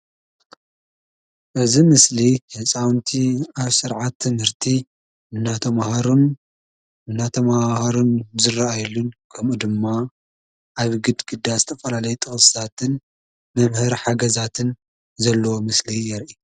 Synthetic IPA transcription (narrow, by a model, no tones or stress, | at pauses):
ʔɨzimɨslihɨt͡sʼawnt̪ʰiaβsɨɾʕat̪ʰːɨmhɨɾt̪ʰi | ɨnːat̪ʰɐmhɾun | ɨnːat̪ʰɐmahaɾunzɨraajɛlːunkʰɐmʔud̪ɨmːa | ʔaβɡɨd̪ɡɨd̪ːazɨt̪ʰɐfɐlalɐjut̪ʼɨxɨsɨ̥t̪ʰat̪ʰɨn | mɐmhɨɾħaɡɐzat̪ʰɨn | zɐlːɐwomɨslijɛɾʔi